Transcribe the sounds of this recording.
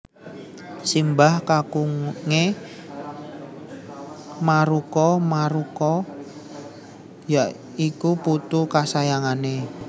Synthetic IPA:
simbahkakuŋŋe | maɾukɔmaɾukɔ | jaʔ | ikuput̪ukasajaŋane

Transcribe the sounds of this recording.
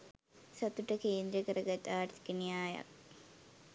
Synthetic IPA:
sɐt̪uʈəkeːnd̪ɾiəkəɾəɡat̪aːʈt̪i̥kenijaːjɐ̰k̚

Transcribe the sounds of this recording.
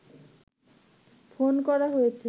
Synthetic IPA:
fonkɔɾaɦojet͡ɕʰe

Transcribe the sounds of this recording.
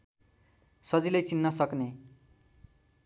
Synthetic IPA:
sʌd͡zilejt͡sinːʌsʌkne

